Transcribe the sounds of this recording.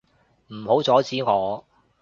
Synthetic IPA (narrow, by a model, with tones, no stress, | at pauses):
m̩˨˩ho˨˥wt͡sɔː˨˥t͡siː˨˥ŋɔː˨˧